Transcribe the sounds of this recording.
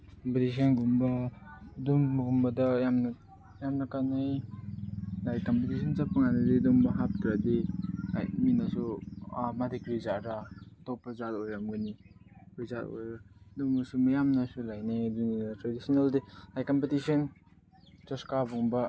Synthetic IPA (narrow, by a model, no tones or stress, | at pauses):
kɔmpitis̬ɔnɡumbadumːɡumbadajamna | jamnakanaj | lajkɔmpitis̬ʰɔnzapːɯŋanadedumbaɦap̚tɾadea̰jminasuamadikbizaɾatɔwpazatojɾaŋɡɯnipizato̰jɾaduŋasumajamnasulajnajduninatɾadisinaldilajkampitisɔn | t͡ʃɔskabuŋba